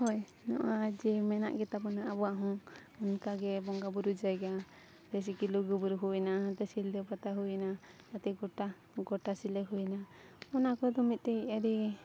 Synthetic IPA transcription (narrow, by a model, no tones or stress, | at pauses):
hɔj | nɔ̰ʔad͡ʒɛmɛna̰ʔɡɛt̪apɔnaʔabɔwaʔɦɔ̃ŋunkaɡɛbɔŋɡabuɾud͡ʒajɡa | d͡ʒɛs̬ɛkiluɡubuɾɦuɛnaɦat̪ɛsild̪ɛpat̪aɦujna | at̪ɛɡɔʈa | ɡɔʈasilɛɦuna | ɔnakɔd̪ɔmit̪̚ˀt̪ɛaɾi